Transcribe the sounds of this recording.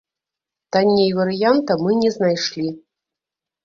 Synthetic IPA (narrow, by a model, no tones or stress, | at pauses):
t̪anʲjejvɐɾɨjant̪ɐmɨnʲɛznajʂlʲi